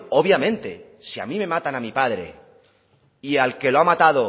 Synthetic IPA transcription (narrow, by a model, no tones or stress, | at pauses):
o̞βjamẽ̞nt̪e̞̰ | sia̰mĩme̞mat̪anamipaðɾe̞̰ | ialke̞loamat̪aðo